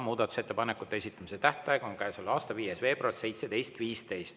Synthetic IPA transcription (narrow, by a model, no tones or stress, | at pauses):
muːd̪̥ɑt̪u̥set̪ːe̞pɑnekːˑut̪ːeesit̪ːˑɑmiset̪æht̪ˑɑjɑko̞ŋkæːsolɑːst̪ɑviːje̞sve̞ːb̥rɑlse̞jt̪sed̪e̞jst̪viːst̪e̞jst̪